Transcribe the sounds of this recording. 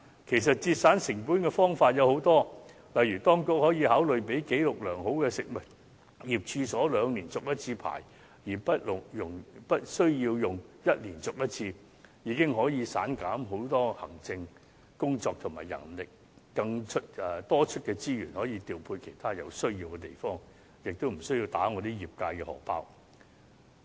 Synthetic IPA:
kʰe˨˩js̬ɐ˨t̚t͡siː˧t̚saː˨˥nsɪ˨˩ŋpu˨˥nkɛː˧fɔː˥ŋfaː˧t̚jɐ˨˧who˨˥wt̪ɔː˥ | lɐ˨jɥyː˨˩t̪ɔː˥ŋkʊ˥k̚hɔː˨˥jiː˨˧haː˨˥wlɵ˨ɥpe˨˥jke˨˥jlʊ˨k̚lœː˨˩ŋɦo˨˥wkɛː˧sɪ˨k̚mɐ˨t̚ | jiː˨˩p̚t͡ʃʰyː˧sɔː˨˥lœː˨˧ŋniː˨˩nt͡sʊ˨k̚jɐ˥t̚t͡sʰiː˧pʰa̰ː˨˩j | jiː˨˩pɐ˥t̚lʊ˨jʊ˨˩ŋpɐ˥t̚sɵ˥ɥjiː˧wjʊ˨ŋjɐ˥t̚liː˨˩nt͡sʊ˨k̚jɐ˥t̚t͡sʰiː˧ | jiː˨˧˥kɪ˥ŋɦɔː˨˥jiː˨˧saː˨˥nkaː˨˥mɦo˨˥wt̪ɔː˥hɐ˨˩ŋt͡sɪ˧ŋ | kʊ˥ŋt͡sɔː˨˧k̚t̪ʰʊ˨˩maː˨˩jɐ̰˨˩nlɪ˨k̚ː | ɐ˧ŋt͡ʃʰɵ˥t̚ɛ˨˧t̪ɔː˥t͡ʃʰɵ˥t̚kɛː˧t͡siː˥jyː˨˩nhɔː˨˥jiː˨˧t̪iː˨˩wpʰuː˧jkʰe˨˩jt̪ʰaː˥jɐ˨˧wsɵ˥ɥjiː˧wkɛ˧t̪e˨˩jfɔː˥ŋ | jɪ˨k̚t̪o˥wm̩˨˩sɵ˥ɥjiː˧wt̪aː˨˥ŋɔː˨˧t̪iː˥jiː˨˩p̚kaː˧jkɛː˧hɔ̰ː˨˩pa̰ː˥w

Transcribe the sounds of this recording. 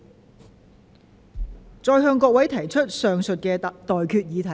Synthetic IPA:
t͡sɔː˧jɦœː˧ŋkɔː˧k̚wɐ˨˥jt̪ʰɐ˨˩jt͡ʃʰɵ˥t̚sœː˨ŋsɵ˨t̚kɛː˧t̪ɔː˨jkʰyː˧t̚jiː˨˧t̪ʰɐ˨˩

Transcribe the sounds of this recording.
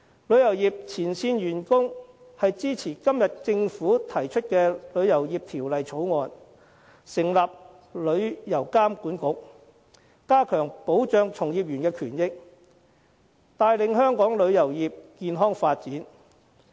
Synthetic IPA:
lɵ˨˧ɥjɐ˨˩wjiː˨p̚t͡sʰiː˨˩nsiː˧nɥyː˨˩nkʊ˥ŋ | hɐ˨jt͡siː˥t͡sʰiː˨˩kɐ˥mjɐ˨t̚t͡sɪ˧ŋfuː˨˥t̪ʰɐ˨˩jt͡ʃʰɵ˥t̚kɛː˧lɵ˨˧ɥjɐ˨˩wjiː˨p̚t̪ʰiː˨˩wlɐ˨jt͡sʰo˨˥wŋɔː˨n | sɪ˨˩ŋlaː˨p̚ | lɵ˨˧ɥjɐ˨˩wkaː˥mkuː˨˥nkʊ˨˥k̚ | kaː˥kʰœː˨˩ŋpo˨˥wt͡ʃœː˧ŋt͡sʰʊ˨˩ŋjiː˨p̚jyː˨˩nkɛː˧kʰyː˨˩njɪ˥k̚ | t̪aː˨˧jlɪ˨ŋɦœː˥ŋkɔː˨˥ŋlɵ˨˧ɥjɐ˨˩wjiː˨p̚kiː˧nɦɔː˥ŋfaː˧t̚t͡siː˨˥n

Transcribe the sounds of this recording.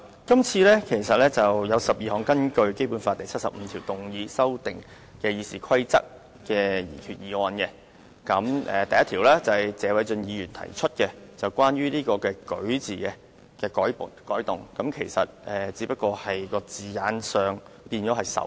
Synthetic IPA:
kɐ˥mt͡sʰiː˧lɛː˥kʰe˨˩jsɐ˨t̚lɛː˥t͡sɐ˨wjɐ˨˧wsɐ˨p̚jiː˨˧hɔː˨˥ŋkɐ˥nkɵ˧ɥke˥jpu˨˥nfaː˧t̪ɐ˨jt͡sʰɐ˥t̚sɐ˨p̚m̩ː˨˧t̪ʰi˨˩wt̪ʊ˨ŋjiː˨˧sɐ˥wt̪ɪ˨ŋ | kɛː˧jiː˧siː˨kʰɐ˥jt͡sɐ̰˥k̚ː | ɛː˧jḭː˨˩kʰyː˨t̚jiː˨˧wɔː˧nkɛ˧ | kɐ˨˥mʔɛ̰˨t̪ɐ˨jɐ˥t̪ʰi˨˩wlɛː˥t͡sɐ˨hɐ˨˩jt͡sɛː˨˧wɐ˨˥jt͡ʃɵ˧njiː˨˧jyː˨˩nt̪ʰɐ̰˨˩jt͡ʃʰɵ˥t̚kɛ˧t͡sɐ˨wkʷwaː˥nɥyː˥niː˥kɔː˧kɛː˧kɵ̰˨˥ɥt͡siː˨kɛ˧ | kɛː˧kɔː˨˥jpʊ˨˩kɔː˨˥jt̪ʊ˨˩ŋkɐ˨˧˥mkʰe˨˩jsɐ̰˨t̚ʔɛː˨t͡siː˨˥pɐ˥t̚kɔː˧hɐ˨jkɔː˧t͡siː˨jaː˨˥nsœː˨ŋpiː˧nt͡ʃɔː˨˥ɦɐ˨˩jsɐ̰˨˥w

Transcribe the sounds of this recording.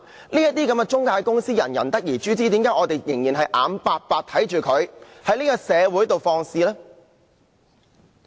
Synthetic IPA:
niː˥jɐ˥t̚t̪iː˥kɐ˨˥mɡɛ˧t͡ʃʊ˥ŋkaː˧jkʊ˥ŋsiː˥jɐ̰˨˩njɐ˨˩nt̪ɐ˥k̚jiː˨˩t͡ʃyː˨˥t͡siː˨˥t̪iː˨˥mkaː˧˥ʔɔː˨˧t̪e˨jjɪ˨˩ŋjiː˨˩nɦɐ˨jʔaː˨˧mpaː˨˧t̚paː˧k̚t̪ʰɐ˨˥jt͡ʃyː˨kʰɵ˨˧ɥhɐ˨˥jlniː˥kɔː˧sɛː˨˧wuː˨˥jt̪o˨wfɔː˧ŋsiː˧lɛ˥

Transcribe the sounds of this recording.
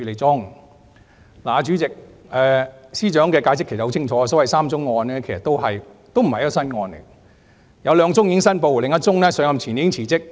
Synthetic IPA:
y˧˨le˨˩jt͡sʊ˥ŋ | laː˨˧t͡ʃyː˨˥t͡sɪ˨k̚ɛː˨˧siː˥t͡ʃœː˨˥ŋkɛː˧kaː˧jsɪ˥kʰe˨˩s̚ho˧˥t͡ɕʰɪ˥ŋt͡ʃʰɔː˨˧sɔː˨˥wɐ˨jsaː˥mt͡sʊ˥ŋːɔː˧nɛː˥kʰe˨˩sɐ˨t̪o˥wɦɐ˨jt̪o˥wm̩˨˩hɐ˨jɔ˥˧sɐ˥nŋɔː˧n̰˨ | jɐ˨˧wlœː˨˧ŋt͡sʊ˥ŋji˧˥ɪ˥ŋsɐ˥npo˨˧wlɪ˨ŋjɐ˥t̚t͡sʊ˥ŋnɛː˥sœː˨˧ŋɐ˧mt͡ɕʰiː˨˩njiː˨˧˥ɪ˥ŋt͡sʰiː˨˩t͡sɪ˥k̚

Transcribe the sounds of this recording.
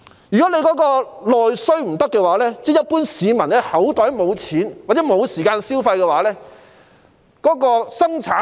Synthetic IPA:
jyː˨˩kɔ˨˥ne˨˧jkɔː˨˥kɔː˧lɔː˨jsɵ˥ɥm̩˨˩t̪ɐ˥kːɛː˧waː˨˥lɛː˥t͡sɛː˥˩jɐ˥t̚puː˥nsiː˨˧mɐ˨˩nɛː˥hɐ˨˥wt̪ɔː˨˥jmo˨˧wt͡sʰiː˨˥nwaː˨˩t͡sɛ˨˥mo˨˧wsiː˨˩kaː˧nsiː˥wfɐ˧jkɛː˧waː˨˥lɛː˥ | kɔː˨˥kɔː˧sɐ˥ŋt͡sʰaː˨˥

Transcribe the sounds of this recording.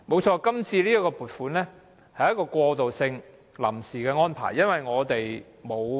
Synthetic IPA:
mo˨˧wt͡ʃʰɔː˧kɐ˥mt͡sʰiː˧liː˥jɐ˥kɔː˧puː˨tfuː˨˥nlɛː˥ | hɐ˨jɐ˥kɔː˧kʷɔː˧t̪o˨wsɪ˧ŋ | lɐ̰˨˩msiː˨kɛː˧ŋɔː˥npʰa̰ː˨˩jːɐ˥nwɐ˨jŋɔː˨˧t̪e˨j | mo˨˧w

